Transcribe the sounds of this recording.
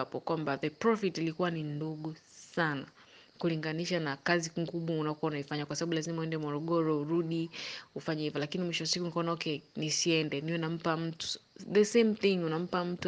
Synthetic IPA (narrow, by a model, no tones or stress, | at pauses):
apɔkwambaðɛpɾɔfitilikuwaninduɠu | sana | kuliŋɡaniʃanakaziŋɡuɓwaunakuwaunaifaɲakwasaɓaɓulazimawɛndɛmɔɾɔɠɔɾɔuɾuɗiufaɲɛhivɔlakinimwiʃɔasikunikaɔnaɔkɛnisiɛndɛniɔnam̩pam̩tu̥ðɛsemθiŋunam̩pam̩tu